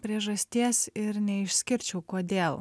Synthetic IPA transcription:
pʲɾʲiɛʒɐsʲt̪ʲiɛsɪɾnʲɛɪʃʲsʲkʲɪɾʲt͡ʃʲɛʊkoːd̪ʲeːlˠ

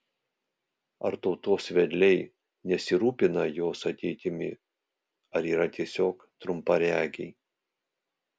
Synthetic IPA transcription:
ɐɾt̪ɔʊt̪oːsʋʲɛd̪ʲlʲɛɪ | nʲɛsʲɪɾuːpʲɪnɐjoːsɐt̪ʲɛɪt̪ʲɪmʲɪ̰ | ɐɾiːɾɐt̪ʲiɛsʲoːk | t̪ɾʊmpɐɾʲæːɡʲɛɪ

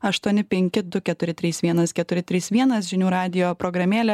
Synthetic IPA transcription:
ɐʃt̪uɔnʲɪpʲɛŋʲkʲɪd̪ʊkʲɛt̪ʊɾʲɪt̪ʲɾʲiːsʋʲiɛnɐskʲɛt̪ʊɾʲɪt̪ʲɾʲiːsʋʲiɛnɐsʒʲɪnʲuːɾɑːd̪ʲɪjoːpɾɔːɡɾɐmʲeːlʲɛ

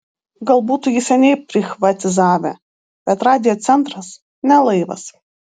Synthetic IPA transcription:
ɡɐlˠbuːt̪ujʲɪsʲɛnʲɛɪpʲɾʲɪxʋɐt̪ʲɪzɑːʋʲɛ̰ | b̥ʲɛt̪ɾɑːd̪ʲɪjɔːt̪sʲɛnt̪ɾɐs | nʲɛlˠɐɪʋɐ̰s

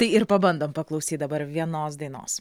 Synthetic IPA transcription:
t̪ɐɪɪɾpɐbɐnd̪oːmpɐklˠɐʊsʲiːt̪d̪ɐbɐɾʋʲiɛnoːsd̪ɐɪno̰ːs

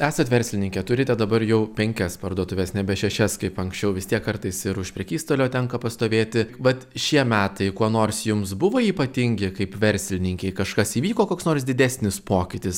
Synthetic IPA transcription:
æːsɐt̪ʋʲɛɾʲsʲlʲɪnʲɪŋʲkʲɛt̪ʊɾʲɪt̪ʲɛd̪ɐbɐɾjɛʊpʲɛŋʲkʲɛspɐrd̪uɔt̪ʊʋʲeːsnʲɛbʲɛʃʲɛʃʲɛskɐɪpɐŋksʲt͡ʃʲɛʊʋʲɪst̪ʲiɛkːɐɾt̪ɐɪsɪɾʊʃpʲɾʲɛkʲiːst̪oːlʲoːt̪ʲɛŋkɐpɐst̪oːʋʲeːt̪ʲɪʋɐt̪ʃʲiɛmʲæːt̪ɐɪkuɔnoːrsjʊmsbʊʋoːiːpɐt̪ʲɪŋʲɡʲɪkɐɪpʋʲɛɾʲsʲlʲɪnʲɪŋʲkʲɛɪkɐʃkɐsiːʋʲiːkoːkoːksnoːrsd̪ʲɪd̪ʲæsʲnʲɪspoːkʲɪt̪ʲɪs

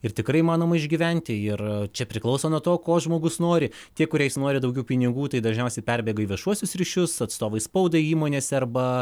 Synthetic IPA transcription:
ɪrt̪ʲɪkɾɐɪimɑːnoːmɐɪʒʲɡʲiːʋʲɛnʲt̪ʲɪɪrt͡ʃʲɛpʲɾʲɪklˠɐʊsoːnuɔt̪oːkoːʒmoːɡʊsnoːɾʲɪ | t̪ʲiɛkʊɾʲɛɪjsnoːɾʲɪd̪ɐʊɡʲɛʊpʲɪnʲɪɡuːt̪ɐɪd̪ɐʒʲnʲɛʊsʲɛɪpʲɛrʲbʲeːɡɐiːʋʲiɛʃuɔsʲʊsɾʲiʃʲʊsɐt̪st̪oːʋɐɪspɐʊd̪ɐiːmoːnʲeːsɐrbɐ

